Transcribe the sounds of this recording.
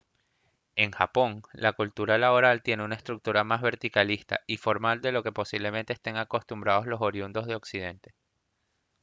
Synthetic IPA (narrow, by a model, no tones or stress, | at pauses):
e̞ŋxapo̞ŋlakult̪uɾalaβo̞ɾalt̪je̞neunaest̪ɾuk̚t̪uɾamazβe̞ɾt̪ikalist̪a̰ifo̞ɾmald̪e̞lo̞ke̞po̞siβle̞ment̪eːst̪e̞ŋako̞st̪umbɾaðo̞zlo̞so̞ɾjund̪o̞zð̞e̞o̞ksið̞e̞nt̪e̞